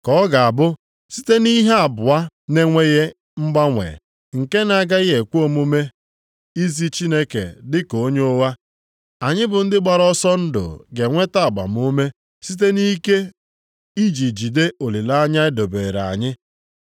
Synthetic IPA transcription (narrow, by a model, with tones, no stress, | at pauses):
kɔ˦ɡa˨a˨bʊ˦ | si̥˦te˦ni˦ɦe˦a˨bʊ˨a˦ne˦ŋʷe˦je˦ | m̩˦ɡ͡ba˦ŋʷḛ˨ | ŋ̩˨ke˦na˦˨ɡa˦ɪ˦e˨kʷu˦o˦mo˦me˦ | i˦zi˦t͡ʃi˦ne˦kḛ˨dɪ˦ko˨˦ɲoo˦wa˦ | a˨ɲɪ˦bʊ˨n̩˦dɪ˦ɡ͡ba˨ɾɔ˦sɔ˦n̩˦dʊ̰˨ɡe˨ŋʷe˦ta˦a˨ɡ͡ba̰˨m˨o˦me˦ | si˦t̬e˦ni˦ke˦ | i˦d͡ʒi˨d͡ʒi˨de˦o˨li˨la˦ɲa˦ɪ˦do˨be˨ɾa̰˨ɲɪ˦